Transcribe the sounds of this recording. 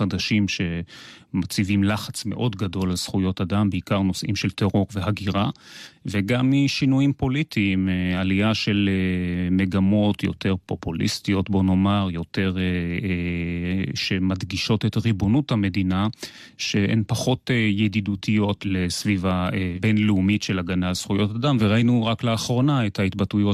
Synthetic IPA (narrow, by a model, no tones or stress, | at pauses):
adaʃimʃe̞mat͡sivimlaχat͡sme̞ʔo̞dɡado̞lːez̥χujo̞tadambeikaʁno̞sʔimʃelteʁo̞ʁveɦaɡiʁaveɡamːiʃinujimpo̞litʰiːmealiaʃe̞lemeɡamo̞tjo̞̰te̞ʁpo̞pulḭstio̞tbo̞no̞maʁjo̞te̞ʁ | ʃemad̪ɡiʃo̞tetʁibonuthame̞dina | ʃeʔḛnpaχo̞tejedidutʰijo̞tlesvivaebenleumitʃelaɡanalsχujo̞tadamveʁainuʁakleaχʁo̞naethaitbatujo